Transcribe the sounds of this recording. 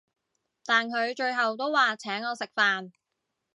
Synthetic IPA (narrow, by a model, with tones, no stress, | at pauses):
t̪aː˨nkʰɵ˨˧ɥt͡ʃɵ˧ɥɦɐ˨wt̪o˥wːaː˨t͡sʰɛː˨˥ŋɔː˨˧sɪ˨k̚faː˨n